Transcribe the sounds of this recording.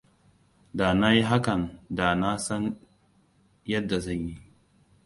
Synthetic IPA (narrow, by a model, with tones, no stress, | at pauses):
da˨na˦ji˦ɦa˦kɐ˨nda˨na˦sɐ˦n | jɐ˦dːa˨zɐ˦ɲji˦